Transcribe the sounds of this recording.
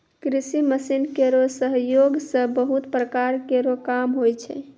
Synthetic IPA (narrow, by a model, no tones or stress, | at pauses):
kɾisiməsinkeɾosəɦjoɡsə̃bəɦut̪pɾəkaɾkeɾokamɦojt͡ʃʰɛ̰